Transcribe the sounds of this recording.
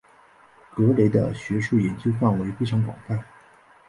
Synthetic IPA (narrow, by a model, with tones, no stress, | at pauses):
kɤ˧˥le˧˥ɪd̪ə̰˧ɕɥɛ˧˥ʂu˥˩jɛ˨˩nt͡ɕjo˥ʊfa˥˩nwe˧˥ɪfe˥ɪʈ͡ʂʰɑ˧˥ŋk̬wɑ̰˨˩ŋfa˥˩n